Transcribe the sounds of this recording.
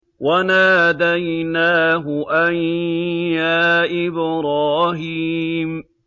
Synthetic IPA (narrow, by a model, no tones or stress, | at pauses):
wanaːd̪ajnaːɦʊʔanjaːʔɪbɾaːɦim